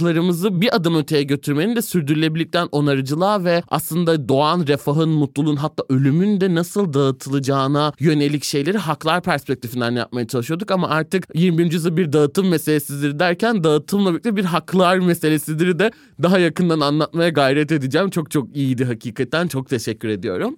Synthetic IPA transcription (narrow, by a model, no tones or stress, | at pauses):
lˠaɾɯmɯzɯbiʔad̪ɯmøt̪ʰe̞jɛɟø̞t̪ʰyɾme̞nind̪ɛsyɾd̪yɾylʲe̞bilʲːic̚t̪ʰænʔo̞naɾɯd͡ʒɯlˠaːvɛa̰slˠɯnd̪ad̪o̞anɾefaɦɯnmut̪lˠulˠunɦat̪ʰːaːʔø̞lʲymynd̪ɛnasɯlˠd̪aɯt̪ʰɯlˠɯd͡ʒaːnajø̞nelʲicʃe̞jlʲe̞ɾiɦaklˠaɾpʰæɾspɛc̚t̪ʰifind̪ænja̰p̚majat͡ʃʰalˠɯʃɯjo̞d̪ukamaʔaɾt̪ʰɯkjiɾmibiɾnd͡ʒyzabiɾd̪aɯt̪ʰɯmːese̞lʲesizd̪iɾid̪æɾcʰænd̪aɯt̪ʰɯmlˠabiicʲlʲibiɾɦaklˠaɾmese̞lʲesizd̪iɾid̪ɛ | d̪aɦajakɯnd̪ananlˠatt̪majaɡajɾɛt̪e̞d̪id͡ʒɛːmt͡ʃʰo̞k̚t͡ʃʰo̞kijid̪iɦacʰiːkʰat̪ːænt͡ʃʰo̞k̚t̪ʰe̞ʃɛcʰʲːyɾe̞d̪ijo̞̰ɾum